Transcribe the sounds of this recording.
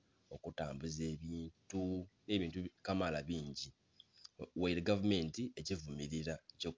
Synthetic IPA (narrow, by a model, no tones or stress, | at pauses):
o̞kutaːmbuze̞ːβiːntune̞ːβiːntukamalaβiːɲɟi | waiɾeɡavume̞ntie̞ɟivumiɾiɾaco̞ːk